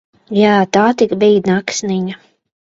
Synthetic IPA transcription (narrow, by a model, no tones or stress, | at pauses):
jaːt̪aːt̪ikbiːnaksniɲa